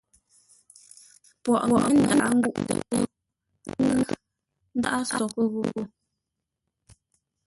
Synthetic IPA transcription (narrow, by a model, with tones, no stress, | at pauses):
pwɔ˨ʔɔ˨ʔə˦n̩˨da˨ʔa˦ŋ̩˦ɡu˦ʔtə̰˨pə˦ | ŋ˦ | n̩˦da̰˦ʔa˦sɔ˨kə˦ɣu˦˨ko˦